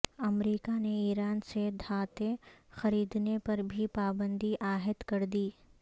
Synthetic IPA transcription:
ɐmɾiːkaneiːɾaːnsed̪ʱaːt̪exɐɾiːd̪nepɐɾbʱipaːbə̃nd̪ʱiʔaːɦɪt̪kɐɾd̪iː

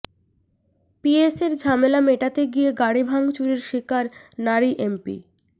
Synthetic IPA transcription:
pieseɾd͡ʑʱamelameʈat̪eɡieɡaɽibʱaŋt͡ɕuɾiɾʃikaɾnaɾiʔempḭ

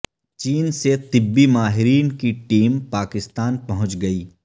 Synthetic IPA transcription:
t͡ʃiːnset̪ɪbːimaːɦɪɾiːnkiʈiːmpaːkɪst̪aːnpɐɦʊ̃t͡ʃɡɐiː

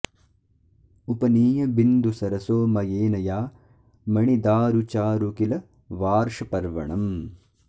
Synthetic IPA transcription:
upɐniːjɐbind̪usɐɾɐsoːmɐjeːnɐjaː | mɐɳid̪aːɾut͡ʃaːɾukilɐ | ʋaːɾʂɐpɐɾʋɐ̰ɳɐm

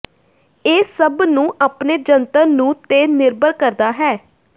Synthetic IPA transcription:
eːsəbnũːʔaːpneːd͡ʒənt̪ənːũːt̪eːnɪɾbəɾkəɾd̪aːɦɛː

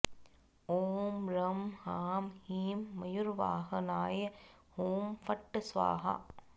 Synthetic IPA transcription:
oːmɾɐmhaːmhiːmːɐjuɾʋa̰ːɦɐnaːjɐ | hoːmfɐʈːɨsʋa̰ːɦa̰

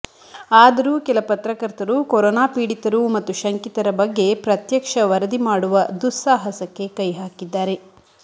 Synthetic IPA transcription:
aːd̪ɐɾuːkɛlɐpɐt̪ɾɐkɐɾt̪ɐɾukoɾɔːnaːpiːɽit̪ɐɾumɐt̪ːuʃɐŋkit̪ɐɾɐbɐɡːe̞pɾɐt̪jɐkʂɐʋɐɾɐd̪imaːɽuʋɐd̪usːaːɦɐsɐkːe̞kɐjɦaːkid̪ːaːɾe̞

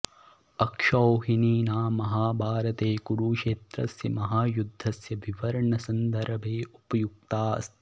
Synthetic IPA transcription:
ɐkʂɐwɦiniːnaːmɐɦaːbʱaːɾɐt̪eːkuɾuːʃeːt̪ɾɐsjɐmɐɦaːjud̪ʱːɐsjɐʋiʋɐɾɐɳɐsɐnd̪ʱɐɾɐbʱeːupɐjuk̚t̪aːɐ̰st̪

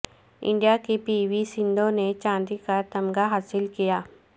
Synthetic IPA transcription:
ɪ̰̃ɳɖijakepiːwisɪ̃nd̪õnet͡ʃãːnd̪ikat̪ɐmɡaɦaːsɪlkijaː

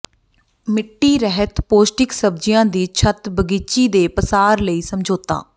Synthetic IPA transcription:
mɪʈːiːɾɛɦət̪poːsʈɪksəb̚d͡ʒɪjãːd̪iːt͡ʃʰət̪bəɡiːt͡ʃiːd̪eːpəsaːɾləiːsəmd͡ʒoːt̪a̰ː

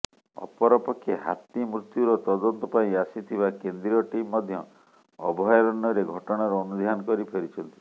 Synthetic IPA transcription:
ɔ̰pɔɾɔpɔkʰːeɦa̰t̪imɾut̪juɾɔt̪ɔd̪ɔnt̪ɔpaĩasit̪ʰibakend̪ɾiɔʈimːɔd̪ʱjɔ | ɔ̰bʱɔjɾɔɳɖɔɾeɡʱɔʈɔɽ̃aɾɔːnud̪ʱjanɔkɔɾipʰeɾit͡ʃʰɔnt̪i̥

